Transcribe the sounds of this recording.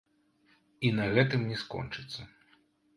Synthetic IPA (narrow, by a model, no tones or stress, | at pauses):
inɐɣɛt̪ɨmnʲɛskɔ̰nt͡ʂɨt̪sːɐ